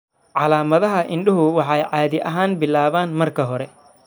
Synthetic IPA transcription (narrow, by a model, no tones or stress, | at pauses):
ʕɑlaːmɐðɐɦɐʔɪɳɗɪɦʊwɑħɑjʕɑːðɪʔɐɦaːnbɪlaːβaːnmɐrkʰɐɦɔɾɛ